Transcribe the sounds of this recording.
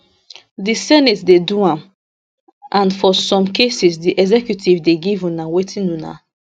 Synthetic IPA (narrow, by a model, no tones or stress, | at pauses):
disɛnitsdeduãm | ʔãnfɔsɔ̃mkesisdiʔɛɡzɛkjutʰivdeɡivũnawetʰĩnuna̰